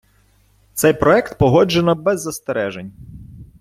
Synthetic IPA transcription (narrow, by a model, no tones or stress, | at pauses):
t̪sɛjpɾɔɛkt̪pɔɦɔd͡ʒenɔbɛzːɐst̪eɾɛʒenʲ